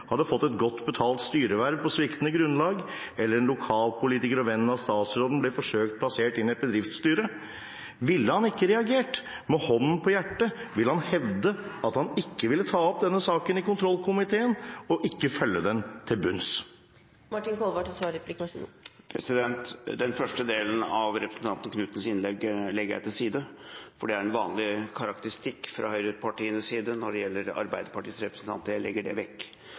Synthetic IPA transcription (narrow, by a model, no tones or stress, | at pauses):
hɑd̪ːəfɔt̪ːɛt̪ɡɔt̪ːbət̪ʰɑːlt̪st̪yːɾəʋæɾʋpɔsʋɪkt̪nəɡɾʉnːlɑːɡ | ɛlːəɾɛnlʊkʰɑːlpʊliːt̪ɪkəɾɔʋɛnn̩ɑʋst̪ɑːt̪sɾoːd̪n̩blɛfɔʂøːkt̪̚pʰlɑseːʈɪnɪɛt̪̚bəd̪ɾɪft̪st̪yːɾə | ʋɪlːəhɑnɪkːəɾɛɑɡeːʈ | mɛhɔnːən̩pʰɔjæʈːəʋɪlːəhɑnhɛʋd̪əɑt̪hɑnɪkːəʋɪlːət̪ʰɑːɔp̚d̪ɛnːəsɑːkənɪkʊnt̪ʰɾɔlːkʰʊmɪt̪ʰeːənɔʔɪkːəfœlːəd̪ɛnt̪ʰɪlbʉns | mɑʈːɪnkʰɔlʋɑʈɛt̪sʋɑːɾɛplɪkɑʂṵːpʰɾɛ̰sɪd̪ɛnt̪d̪ɛnfœʂʈəd̪eːlən̩ɑʋɾɛpɾəsn̩t̪ɑnt̪ən̩kʰnʉːt̪ənəsɪnlɛɡlɛɡəjæ̰ɪt̪ʰɪlsiːd̪əfɔɖɛæɾɛnʋɑːnlɪkʰɑɾɑk̚t̪əɾɪst̪ɪkːfɾɑ̰hœʏɾəpʰɑʈiːənəssiːd̪ənɔɖɛjɛlːəɾɑ̰ɾbæɪd̪əpɑʈiːsɾɛpɾəsn̩t̪ʰɑ̰nt̪əjæɪlɛ̰ɡːəɖɛ̰ʋɛkː